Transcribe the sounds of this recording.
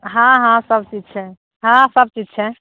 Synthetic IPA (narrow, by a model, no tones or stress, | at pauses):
ɦãɦãsəbt͡ʃid͡ʒt͡ʃʰɛ | ɦãsəb̚t͡ʃid͡ʒt͡ʃʰɛ